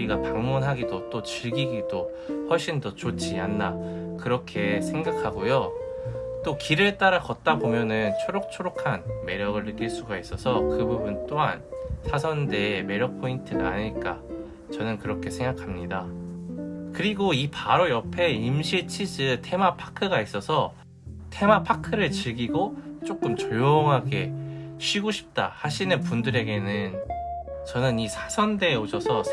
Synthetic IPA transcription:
iɡapaŋmunɦaɡidot͈ot͡ɕiɭɡiɡido | hʌɭɕ͈indʌt͡ɕot͡ɕ͈ʰianːakɯɾʌkʰe̞sʰe̞ŋɡakʰaɡojo | t͈okiɾɯt͈aɾakʌt̚t͈abomjʌnɯnt͡ɕʰoɾok̚t͡ɕʰoɾokʰanme̞ɾjʌɡɯɭːɯk͈iɭs͈uɡais͈ʌsʰʌkɯbubunt͈oɦa̰nsʰasʰʌnde̞me̞ɾjʌk̚pʰointʰɯna̰ɲiɭk͈a̰ | t͡ɕʌnɯnkɯɾʌkʰe̞sʰe̞ŋɡakʰamɲida | kɯɾiɡoipaɾojʌpʰe̞imɕʰiɭt͡ɕʰid͡ʑɯtʰe̞mapʰḁkʰɯɡais͈ʌsʰʌ | tʰe̞mapʰakʰɯɾɯɭt͡ɕɯɭɡiɡot͡ɕ͈ok͈ɯmt͡ɕojoŋɦaɡe̞ɕʰɥiɡoɕʰi̥p̚t͈ahaɕʰinɯpundɯɾe̞ɡe̞nɯn | t͡ɕʌnɯnisʰasʰʌnde̞oɕʰʌsʰʌ

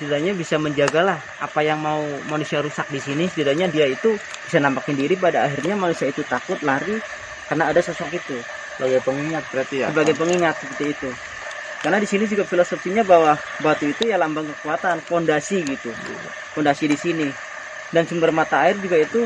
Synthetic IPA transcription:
sədiɾaɲabisaməɲd͡ʒaɡalah | ʔapajaŋmaumanusiaɾusak̚disinisədiɾaɲadiait̪u | b̥isanampakəndiɾip̬adaːɦirɲamanusiait̪ut̪akʊt̪̚laɾi | karnaːdasɔsɔkit̪u | lajapəŋiŋat̪̚ːɾat̪ijasəbaɡajpəŋiŋat̪̚səpərt̪iːt̪u | karnadisinid͡ʒuɡafilosofiɲabawa | bat̪uit̪ujalambaŋkəkuat̪anfondasiɡit̪u | fondasidisini | dansəmbərmat̪aːɪrd͡ʒuɡait̪u

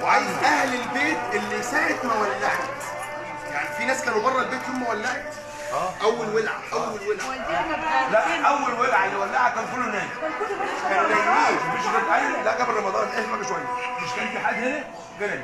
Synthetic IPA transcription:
weʕajezʔæhlelbeːt̪ʔelːisæːʕet̪mæwælːaʕet̪ | ja̰ʕnifinæːskæːnobɑrˤːɑlbeːt̪homːæwælːeʕet̪ː | ʔæwːælwelʕa̰ʔæwːælwelʕ | læʔʔæwːælwelʕaelːiwælːahakæːnfolːonæːnːʃkæææmeʃɡælʔæjlæʔɡæblɾˤɑmɑd̪ɑːnelħeːlmæbæʃwæjːæmeʃkæʔnt̪eħaːd̪henæ | ɡælæl

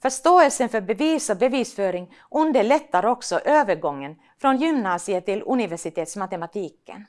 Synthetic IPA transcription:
fœʂt̪oːɛlsənfœɾbɛviːsɔbɛviːsfœːɾɪŋ | ʔɵnd̪əɭɛt̪ːaɾɔksɔʔøːvəɾɡɔŋːən | fɾɔnjʏmnɑːsɪət̪ʰɪlɵ̰nɪvɛʂɪt̪ʰeːt̪smat̪ɛmat̪ʰiːkə̰n

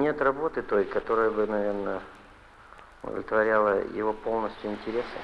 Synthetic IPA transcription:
nʲe̞t̪rɐbo̞t̪ɨt̪o̞jkɐt̪o̞ɾəjəbɨnɐvʲe̞rnə | ʊd̪ə̰lʲɪt̪vɐɾʲalˠəjɪ̰vo̞po̞lˠnəsʲtʲjʊɪnʲtʲɪɾʲe̞sɨ̰

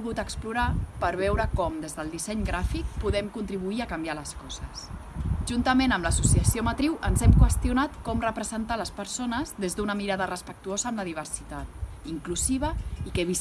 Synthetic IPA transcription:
ɣut̪əkspluɾapəɾβ̞ɛwɾəkɔmd̪ezðəlˠd̪isɛɲɡɾafik̚puðɛmkunt̪ɾiβ̞uiəkambjaləskɔzəsʒ̥unt̪əmenəmləsusiəsiomət̪ɾiwʔənzɛmkwəst̪junat̪kɔmrəpɾəzənt̪aləspəɾsonəzðezðunəmiɾaðərəspək̚t̪uozəːmləðiβ̞əɾsit̪at̪̚iŋkluziβ̞əikəβis

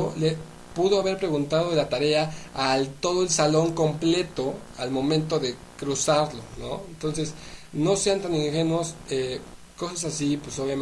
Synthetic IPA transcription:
ole | puðo̞aβe̞ɾpɾe̞ɣunt̪að̞oðelat̪aɾe̞aalt̪o̞ð̞o̞elsalo̞ŋko̞mple̞t̪o̞ | almõ̞mẽnt̪̬o̞ðe̞ | kɾusaɾlo̞̰no̞̰ent̪o̞ns̬e̞sno̞se̞ant̪aniŋxe̞nwose | ko̞sas̬asipwesoβja

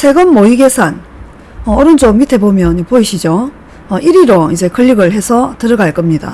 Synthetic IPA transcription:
sʰe̞ɡɯmːoiɡe̞sʰan | ʌʌɾɯnd͡ʑ͈ommitʰe̞bomjʌnpoiɕʰid͡ʑo | ʌʔiɾiɾoid͡ʑe̞kɯʎːiɡɯɭɦe̞sʰʌtɯɾɯɡaɭk͈ʌmɲida̰

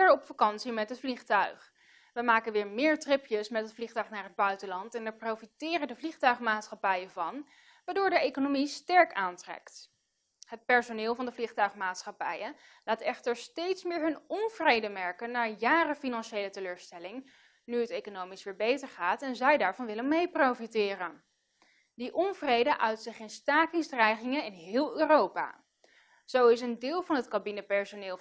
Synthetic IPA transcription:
ɛɹɔpfakɑnsimɛtɦətfliχtœɥχ | ʋəmaːkənʋɪːɹmɪːɹtrɪpjəsmɛtɦətfliχtœɥχnaːɹɦəd̚bœɥtəlɑntɛnɛɹprowfitɪːrəndəvliχtœɥχmaːtsχɑpɛjəvɑn | ʋaːɹdʊːɹdəejkonomistɛɹkaːntrɛ̰kt | ɦət̚pɛɹsonɪːlˠvɑndəvliχtœɥχmaːtsχɑpɛ̰jə | laːtɛχtəɹstejtsmɪːɹɦɵnɔnvrejdəmɛɹkənːaːɹjaːrəfinɑnʃejlətəløːɹstɛlɪŋ | nyətejkonowmisʋɪːɹbejtəɹχaːtɛnzɛjdaːɹvɑnʋɪlənmejprowfitɪːrən | diʔɔnvrejdəʔœɥtsɪχɪnstaːkɪŋzdrɛjχɪŋənɪnɦɪːlˠøːrowpa̰ː | z̥owɪsəndɪːlˠvɑnɦətkabinəpɛɹsonɪː

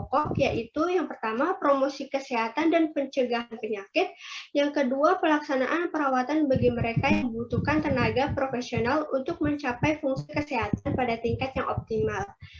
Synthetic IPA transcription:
ɔkɔkjaʔit̪ujaŋpərt̪amapɾomosikəseɦat̪andanpəɲt͡ʃəɡaɦanpəɲakɪt̪̚jaŋkəduapəlaksanaʔanpəɾawat̪anbaɡiməɾekajaŋəbut̪ukant̪ənaɡapɾofesionalunt̪ʊk̚məɲt͡ʃapajfuŋsikəseɦat̪anpadat̪iŋkat̪jaŋʔɔp̚t̪imal

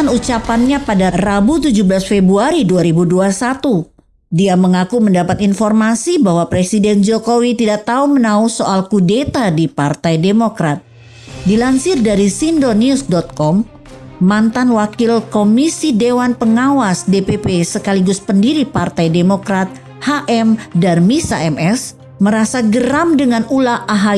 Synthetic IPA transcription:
anut͡ʃapanɲapadarabut̪ud͡ʒubəlasfebɾuaɾiduaɾibuduasat̪u | diaməŋakuməndapat̪infɔrmasibaɦwapɾesidɛnd͡ʒokowit̪idaʔt̪aumənausoʔalkudet̪adipart̪ajdemokɾat̪̚ | dilansɪrdaɾisindoniʊsdɔt̪̚kɔmː | ant̪anwakɪlkomisidewanpəŋawasdepepesəkaliɡʊspəndiɾipart̪ajdemokɾat̪̚ | haʔɛmdanmisaɛmɛs | məɾasaɡəɾamdəŋanulaʔaɦa

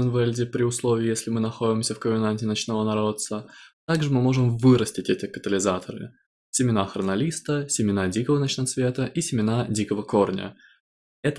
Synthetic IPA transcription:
ənvɛlʲdʲɪpɾʲɪʊslˠo̞vʲɪːjesʲlʲɪmɨnɐxo̞dʲɪmsʲəfkəmʲɪnanʲtʲɪnɐt͡ɕnovənɐɾo̞t̪sət̪aɡʐɨmɨmo̞ʐɨmvɨɾəsʲtʲɪtʲɛtʲɪkət̪əlʲɪzat̪ʰəɾɨ̰ | sʲɪmʲɪnaxɾənɐlʲist̪əsʲɪmʲɪnadʲikəvənɐt͡ɕnɐt̪svʲe̞t̪əʔisʲɪmʲɪnadʲikəvəko̞rnʲə̰ | ɛt̪

